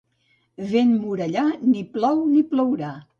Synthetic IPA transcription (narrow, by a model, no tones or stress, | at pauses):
βenmuɾəʎaniplɔwniplɔwɾa